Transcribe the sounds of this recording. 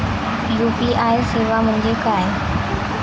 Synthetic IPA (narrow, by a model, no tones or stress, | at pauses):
juːpiʔaːɦeseːʋamʊ̃ɲd͡ʑekaːɦe